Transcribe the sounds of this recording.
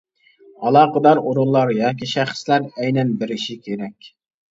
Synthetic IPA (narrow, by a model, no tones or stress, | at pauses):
ɑlˠɑːqəd̪ɑɾoɾulˠːɑɾjɑːkʲiʃæχslæɾɛjnɛnbɪɾɪʃikʲʰeɾɛkʲ